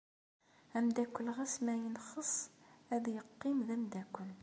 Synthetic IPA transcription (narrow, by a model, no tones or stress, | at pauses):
æmd̪ækʷːəlʁæsmæjənχəsˤæðjəqːimðæmd̪ækʷːəl